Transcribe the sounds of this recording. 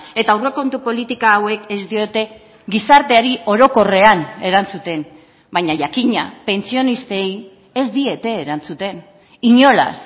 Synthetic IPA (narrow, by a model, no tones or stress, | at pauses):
e̞t̪awreko̞nt̪upo̞lit̪ikaːwe̞ke̞zd̪io̞t̪e̞ | ɡisaɾt̪e̞aɾiʔo̞ɾo̞ko̞re̞ane̞ɾant͡sut̪e̞n | bajɲaʝakiɲape̞nt͡sio̞nist̪e̞j | e̞zd̪ie̞t̪e̞ːɾant͡sut̪e̞n | iɲo̞la̰s